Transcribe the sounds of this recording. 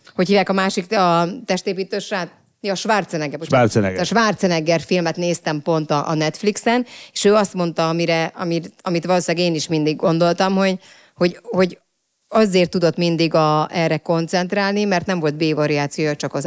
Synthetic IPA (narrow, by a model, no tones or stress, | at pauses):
hochiːvjaːkɒmaːʃikɒt̪ɛʃt̪eːpiːt̪øːʃraːt̪ | ɒʃʋart̪sɛnɛɡɛʃart̪sɛɛʃʋaːrt̪sɛnɛɡɛrfilmɛt̪neːst̪ɛmpo̞nt̪ɒʔːnɛt̪fliksɛneːʃøːɒst̪mo̞nt̪ɒɒmiɾɛɒmiɒmit̪ʋɒloːsaːɡeːniʃmind̪iɡːo̞nd̪o̞lt̪ɒmho̞ɟ | ho̞ɟho̞ɟ | ɒzeːrt̪ːud̪o̞t̪mind̪iɡɒɛrːɛko̞nt̪sɛnt̪raːlnimɛrt̪nɛɱvo̞lt̪̚beːvɒɾiaːt̪sijoːjt͡ʃɒkɒz